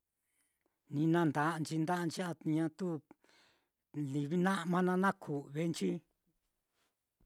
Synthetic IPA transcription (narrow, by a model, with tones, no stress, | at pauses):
nĩ˧nã˧nd̪a˧nt͡ʃi˧nd̪a˦˧nt͡ʃi˦a˧ɲã˧t̪u˦ | li˨βi˦nã˦mã˧nã˧nã˦kʰu˨βe˦nt͡ʃi˦